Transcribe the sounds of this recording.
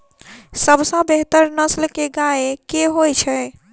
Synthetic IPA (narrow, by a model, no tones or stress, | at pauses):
səbsə̃beɦt̪əɾnəslkeɡaekeɦojt͡ʃʰɛ